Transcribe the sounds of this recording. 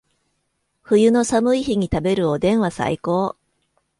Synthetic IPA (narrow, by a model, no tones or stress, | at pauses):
ɸɯ̟jɯ̟no̞samɯ̟içiɲ̟it̪abe̞ɾɯ̟od̪ẽ̞ɰ̃βasa̰iko̞ː